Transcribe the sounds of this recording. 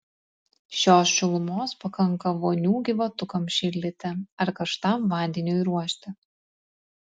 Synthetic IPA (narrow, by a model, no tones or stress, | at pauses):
ʃʲoːsʃʲɪlˠʊmoːspɐkɐŋˑkɐʋoːnʲuːɡʲɪʋɐt̪ʊkɐmʃʲɪlʲd̪ʲɪt̪ʲɪɐɾkɐʃt̪ɑmʋɑːnʲd̪ʲɛnʲoːiɾuɔʃʲt̪ʲɪ